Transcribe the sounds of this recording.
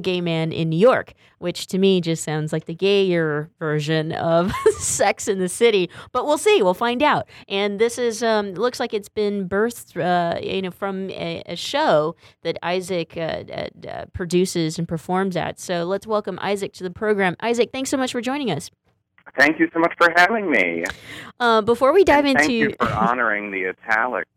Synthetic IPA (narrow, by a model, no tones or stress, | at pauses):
ɡeɪmæ̃nɪ̰̃nːʉjɔɹk | wʔɨt͡ʃtʰɨmid͡ʒʌstsãʊ̃ndzlaɪk̚ðɨɡeɪə˞vɜ˞ʒɨ̃nʌ̰v̥sɛksɨ̃nðɨsɪɾib̥ʌt̚wilˠsiwilˠfãɪ̃ndaʊt̚ʔɨ̃nðɪsɪzʌ̃mlʊkslaɪkɨtsb̥ɪ̃nbɜ˞θʌjɨ̰noʊfɹʌ̃mɨ̰ʃoʊðɨɾa̰ɪzɪkʰʌ̰ʌ̰ʌ̰pʰɹ̥ɨdʉsɪzɨ̃n̩pʰə˞fɔɹmzɨ̰tsoʊlətswɛlˠkə̃mʔa̰ɪzɨk̚tʰɨðɨpʰɹ̥oʊɡɹæ̃mʔa̰ɪzɨk̚θæ̃ŋksoʊmʌt͡ʃfə˞d͡ʒɔ̃ɪ̃ñɪ̃ŋʌs | θæ̃ŋkjɨsoʊmʌt͡ʃfə˞ɦævɪ̃ŋmḭʔʌbəfɔɹwidaɪvɪ̃ñʉfə˞ɑ̰nə˞ɪ̃ŋðiɨtʰæ̰lˠɨ̰k̚